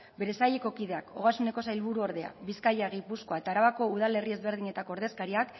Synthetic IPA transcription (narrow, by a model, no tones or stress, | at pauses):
be̞ɾe̞sajeko̞kiðe̞ako̞ɣ̞asune̞ko̞sajlβuɾuoɾðe̞a̰biskajaɣipusko̞ae̞t̪aːɾaβako̞uð̞ale̞rie̞zβe̞ɾð̞iɲe̞t̪ako̞ɾðe̞skaɾiak